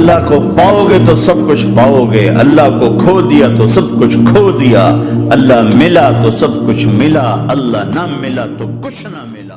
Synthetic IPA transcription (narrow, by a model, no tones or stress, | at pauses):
lːaɦkopaːoɡet̪osɐb̚kʊt͡ʃʰpaːoɡɐeʔɐ̰lːaɦkokʰoːd̪ijat̪osɐbkʊt͡ʃʰkʰoːd̪ijaːɐlːaɦmɪlat̪osɐbkʊt͡ʃʰmɪlaɐlːaɦnɐmɪlat̪okʊt͡ʃʰnɐmɪlaː